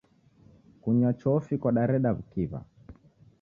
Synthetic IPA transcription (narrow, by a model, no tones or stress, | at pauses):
kuɲat͡ʃɔfikwaɗaɾɛɗaβukiβa̰